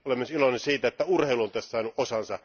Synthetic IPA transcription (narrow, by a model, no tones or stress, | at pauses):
olemːesilonensiːt̪æet̪ːæurheiluont̪æstːsɑˑːnuʔʔosɑnsɑ